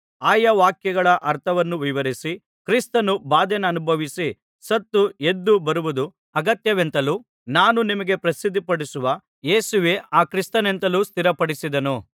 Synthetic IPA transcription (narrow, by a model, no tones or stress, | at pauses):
aːjɐʋaːkjɐɡɐɭɐʔɐɾt̪ʰɐʋɐnːuʋiʋɐɾisi | kɾist̪ɐnubaːd̪ɛnɐɐnubʱɐʋisi | sɐt̪ːue̞d̪ːubɐɾuʋud̪u | ɐɡɐt̪jɐʋe̞nt̪ɐluː | naːnunimɐɡe̞pɾɐsid̪ʱːipɐɽisuʋɐ | jeːsuʋe̞ːʔaːkɾist̪ɐne̞nt̪ɐlust̪ʰiɾɐpɐɽisid̪ɐnu